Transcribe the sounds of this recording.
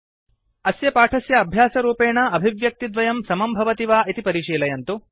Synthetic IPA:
ɐsjɐpaːʈʰɐsjɐːbʱjaːsɐɾuːpeːɳɐɐbʱiʋjɐk̚t̪id̪ʋɐjɐmsɐmɐmbʱɐʋɐt̪iʋaːʔit̪ipɐɾiːʃiːlɐjɐnt̪u

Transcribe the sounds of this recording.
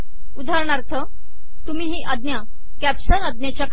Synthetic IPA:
ud̪ʱaɾɳaɾt̪ʰə | t̪um̤iːɦiːʔəd̪nja | kæpɕənəd̪njat͡ɕjak

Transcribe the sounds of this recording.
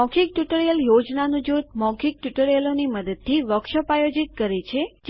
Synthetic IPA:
ɔkʰik̚ʈuʈəɾjəljod͡ʒnanũd͡ʒut̪̚mɔkʰik̚ʈjuʈəɾjəloniməd̪əd̪̚t̪ʰːiʋəkʃəpajod͡ʒit̪̚kəɾet͡ʃʰed͡ʒ

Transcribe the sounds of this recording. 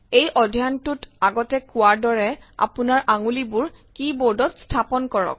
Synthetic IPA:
ejʔɔdʱijantutaɡɔtɛkʊwaɹdɔɹɛa̰punaɹʔaŋulibʊɹ | kiboɹdɔtstʰapɔnkɔɹɔ̰k̚

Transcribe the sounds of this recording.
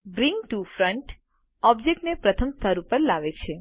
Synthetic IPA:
bɾiŋɡʈufɾəɳʈ | ɔbd͡ʒek̚ʈnepɾət̪ʰəmst̪ʰaɾupəɾlaʋet͡ʃʰe

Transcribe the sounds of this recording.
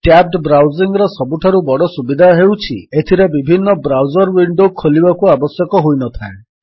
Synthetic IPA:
ʈab̚ʈbɾawziŋɾɔsɔbuʈʰaɾubɔɽɔsubid̪ʱaɦewt͡ʃʰiet̪ʰiɾebibʱinːɔbɾawd͡ʒɔɾwiɳɖokʰːolibakuabɔsjɔkɔɦojnɔt̪ʰae

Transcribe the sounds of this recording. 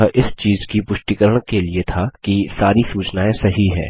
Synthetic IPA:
aʔɪst͡ʃiːzkipʊʃʈ̪ikəɾəɽ̃keliet̪ʰaːkisaːɾisuːt͡ʃnaːẽsɐɦiɦɛ̰ː

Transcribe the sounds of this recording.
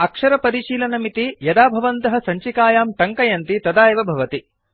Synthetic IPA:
ɐkʂɐɾɐpɐɾiʃiːlɐnɐmit̪ijɐd̪aːbʱɐʋɐnt̪ɐɦɐ̆sɐɲt͡ʃikaːjaːmʈɐŋkɐjɐnt̪it̪ɐd̪aːjɐʋɐbʱɐʋɐt̪i

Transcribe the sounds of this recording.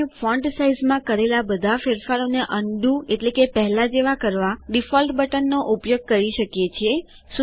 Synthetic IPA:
efʰɔ̃ɳɖsaizmãkəɾelabəd̪ʱafeɾfaɾoneʔəɳɖũeʈlekepəɦlad͡ʒeʋakəɾʋaɖifɔlʈbəʈənːoʔupjoɡ̚kəɾiʃəkjet͡ʃʰe | su

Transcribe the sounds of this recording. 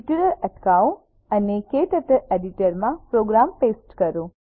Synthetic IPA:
ʈuɾəɾəʈkaõ | ənekeʈ̪ət̪əɾeɖiʈəɾmãpɾoɡɾampesʈkəɾõ

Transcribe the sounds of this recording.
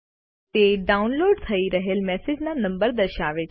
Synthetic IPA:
t̪eɖaunloɖt̪ʰəiɾəɦelmɛsed͡ʒnanə̃mbəɾd̪əɾʃaʋet͡ʃʰ

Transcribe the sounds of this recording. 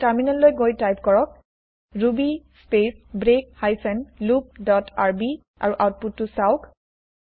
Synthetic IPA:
taɹminalːojɡojtajp̚kɔɹɔk̚ | ɹubispesbɹek̚hajsɛnlup̚dɔtaɹbi | ʔa̰ɹuʔawt̚putːʊsaʊk

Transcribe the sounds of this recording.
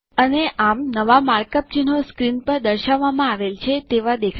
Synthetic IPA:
əneʔamnəʋamaɾkəp̚d͡ʒenoskɾinpəɾd̪əɾʃaʋːamãaʋelt͡ʃʰet̪eʋad̪ekʰ

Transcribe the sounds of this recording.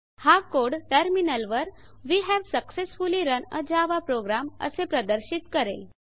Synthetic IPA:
hakoɽʈəɾminəlʋəɾ | ʋiːɦɛʋsəksesfuliɾənə̰d͡ʑaʋapɾoɡɾamə̰sepɾəd̪əɾɕit̪kəɾel

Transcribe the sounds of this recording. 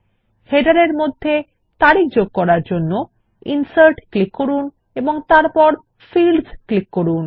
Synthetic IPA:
heɖaɾeɾmod̪ʱːe | t̪aɾik̚d͡ʑoɡ̚kɔɾaɾd͡ʑonːo | insaɾʈklikːoɾun | eboŋt̪aɾpɔɾ | filsklikːoɾun

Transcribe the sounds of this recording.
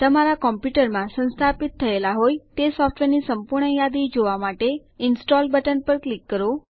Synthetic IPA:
t̪əmaɾakɔmpjuʈəɾmãsə̃nst̪ʰapit̪ʰːəelaɦojt̪esɔfʈʋeɾnisəmpuɾɳəjad̪id͡ʒoʋamaʈe | ɪnsʈɔlbəʈənpəɾklikːəɾo

